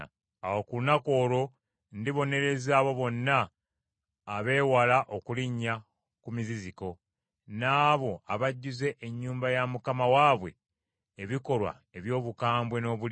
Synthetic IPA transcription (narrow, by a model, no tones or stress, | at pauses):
awokulunako̞ːɾo̞ | ndiβo̞ne̞ɾe̞zaːβo̞βo̞nːaː | βe̞ːwalaʔokuliɲːa | kumiziziko̞ | naːβo̞aβaɟːuze̞ʔeɲːuːmbajamukamawaːβwe̞̰ː | βiko̞lwa̰ | eβjo̞ːβukaːmbwe̞no̞ːβul